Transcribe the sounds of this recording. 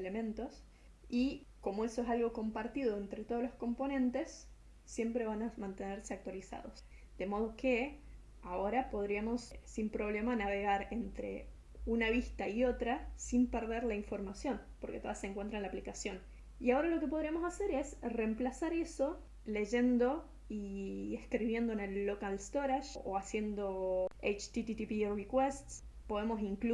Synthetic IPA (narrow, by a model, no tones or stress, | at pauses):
elemẽ̞nt̪o̞s | iko̞moe̞soesalɣo̞ko̞mpaɾt̪iðo̞ent̪ɾet̪o̞ð̞olo̞sko̞mpo̞nẽ̞nt̪e̞sː | je̞mpɾe̞βanamãnt̪e̞neɾse̞ak̚t̪walisa̰ð̞o̞̰s | d̪̥e̞mo̞ð̞o̞ke̞ | ao̞ɾapo̞ðɾiamo̞ssimpɾo̞βle̞manaβe̞ɣ̞aɾe̞nt̪ɾe̞̰ | unaβist̪aio̞t̪ɾasimpeɾðeɾlaiɱfo̞ɾmasjo̞n | poɾke̞t̪o̞ðaseŋkwe̞nt̪ɾanlaplikasjo̞n | iao̞ɾalo̞ke̞p̬o̞ðɾiamo̞sase̞ɾe̞sre̞mplasaɾe̞so̞ | le̞ʒe̞nd̪o̞ | ieskɾiβje̞nd̪oene̞lːokalst̪o̞ɾaʃoasje̞nd̪o̞ejt͡ʃt̪it̪it̪ipirikwest̪s | po̞ð̞emo̞siŋkl